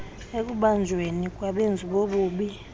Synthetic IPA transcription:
ek̬ʼuɓand͡ʒʱwenik̬ʼwaɓend͡zʱiɓoɓuːɓi

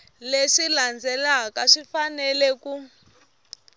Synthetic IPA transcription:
leʂiland͡zɛlakaʂifanɛlɛku

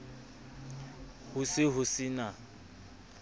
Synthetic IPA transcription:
hʊsɪɦʊsɪna

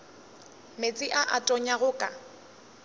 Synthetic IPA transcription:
met͡sʼɪʔaʔatʼɔɲaɣʊkʼa

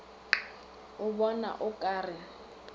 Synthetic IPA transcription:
ʊbɔna̰ʔʊkʼaːrɪ

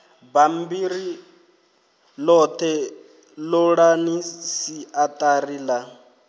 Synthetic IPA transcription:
bambiri | lɔt̪ʰɛ | lɔɺanisiat̪ʼariːla

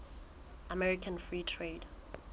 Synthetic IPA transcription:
amɛɹikʰãnfɹiːtʰɹeːd

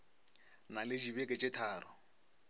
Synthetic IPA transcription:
nalɪd͡ʒibɛkʼɛt͡ʃʼɪtʰaːɾɔ

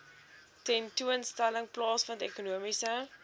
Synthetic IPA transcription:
tɛntuənstæləŋplɑːsfɐndekunuəmisə

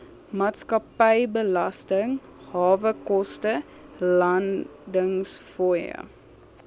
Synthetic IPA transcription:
mɑːtskɐpɛjbəlɐstəŋ | hɑːvəkɔstə | lɐndəŋsfɔjə̰

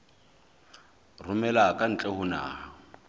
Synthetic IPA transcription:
rʊmɛlakʼan̩t͡ɬʼɛhʊna̰ːha

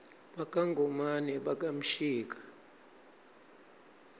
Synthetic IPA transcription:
ɓakʼaŋɡʱɔmanɛɓakʼam̩ʃiːk̬ʼḁ

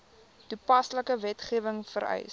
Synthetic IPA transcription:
tupɐsləkəvɛtχiəvəŋfəɾɛ̰js

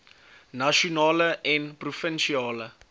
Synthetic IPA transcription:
naʃonɑːləʔɛnprufənʃiɑːlə

